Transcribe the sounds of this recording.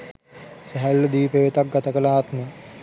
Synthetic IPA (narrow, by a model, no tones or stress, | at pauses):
sɛɦɛlːəd̪iːpeʋet̪ak̚ɡat̪əkəlaːt̪nə